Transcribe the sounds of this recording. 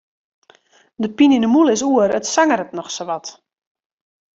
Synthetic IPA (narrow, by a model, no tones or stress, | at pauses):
dəpinindəmulˠɪsuəɾətsaŋəɾətnɔxsoʋɔt